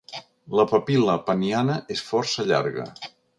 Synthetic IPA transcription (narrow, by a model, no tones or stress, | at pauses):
ləpəpiləpənianəʔesfɔrsəʎa̰ɾɣə̰